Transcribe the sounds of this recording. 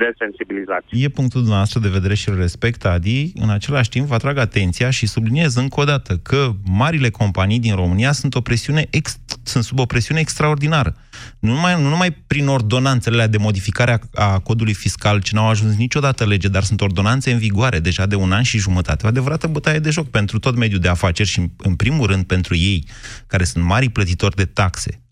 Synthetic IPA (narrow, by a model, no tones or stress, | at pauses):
d̪esensibilizasʲje̞puŋk̚t̪uld̪umnavast̪ɾəd̪eve̞d̪e̞ɾe̞ʃilre̞spe̞kt̪ad̪iɨ̰nat͡ʃe̞laʃʲt̪impvəat̪ɾaɡat̪e̞nt̪sijaʃisublinie̞zɨŋko̞d̪at̪əkʰəmaɾile̞ko̞mpanijd̪inro̞mɨnijasunt̪o̞pɾe̞siune̞ʔeksunt̪subo̞pɾe̞siuneːkst̪ɾao̞rd̪inaɾə | numanunumajpɾino̞rd̪o̞nant̪seleled̪e̞mo̞d̪ifikaɾeaako̞d̪ulujfiskalt͡ʃenawaʒuns̬nit͡ʃʲo̞d̪at̪əle̞d͡ʒe̞d̪arsunt̪o̞rd̪o̞nant̪se̞ɨnviɡoaɾʔe̞d̪e̞ʒad̪e̞unanʃiʒumət̪a̰t̪e̞oad̪e̞vəɾat̪əbut̪aed̪e̞ʒo̞k̚pe̞nt̪ɾut̪o̞t̪me̞d̪jud̪e̞afat͡ʃe̞rʲʃiɨnpɾimulɾɨnd̪̚pe̞nt̪ɾuje̞j | kaɾe̞sunt̪maɾiplət̪it̪o̞rʲd̪e̞t̪akse̞̥̰